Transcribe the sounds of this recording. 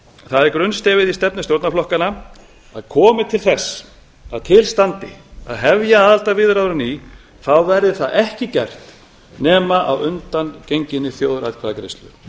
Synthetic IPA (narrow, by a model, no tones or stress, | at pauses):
θaðɛɾkɾʏnst̪ɛːvɪðist̪ɛp̚nɪst̪jowɾt̪naflɔhkana | aðkʰɔːmɪt̪ʰɪlθɛsː | aðt̪ʰɪlst̪ant̪ɪ̰a̰ðɦɛvjaaːðalt̪avɪðʏɾawɾɪni | θawvɛɾðɪθaðʔɛhcɪcɛ̰r̥t̪ | nɛːmaʔawʏnt̪ancejɲcɪnːɪθjoːwðɾa̰ðkʰvaːðakɾɪ̰st̪lʏ̰̥